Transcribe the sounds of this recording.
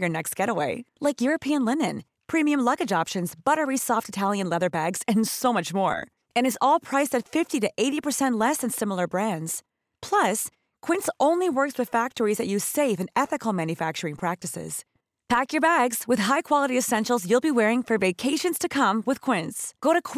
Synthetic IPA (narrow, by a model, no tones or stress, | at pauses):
jə˞nɛkst̚ɡ̥ɛɾəweɪlaɪkjʊɹɨpʰiɨ̃nlɪ̃nɨ̃n | pʰɹ̥ĩmiɨ̃mlʌɡɨd͡ʒɑpʃɨ̃nzbʌɾə˞isɔftɨtʰælˠjɨ̃nlɛðə˞bæɡz̥ɨ̃nsoʊmʌt͡ʃmɔ̰ɹ | ɨ̃ñɨzɔlˠpʰɹ̥aɪsɨtfɪftiɾɨʔeɪɾipʰə˞sɛ̃nʔˡlɛsɨ̃nsɪ̃ml̩ˠə˞bɹæ̃ndz̥ | pʰl̥ʌs | kʰw̥ɪ̃ntsõʊ̃nliwɜ˞kswɨð̥fæk̚tə˞izðɨʔjʉz̥seɪfɨ̃nɛθɨkl̩ˠmæ̃njɨfæk̚t͡ʃə˞ɪ̃ŋpʰɹ̥æk̚tɨsɪ̰z̥ | pʰækjə˞bæɡz̥wɨð̥ɦaɪkʰw̥ɑlˠəɾiɨsɛ̃nʃl̩ˠzjʉlˠbiwɛɹɪ̃ŋfə˞veɪkʰeɪʃɨ̃nz̥tʰɨkʰʌ̃mwɨð̥kʰw̥ɪ̃ntsɡ̥oʊɾɨkʰ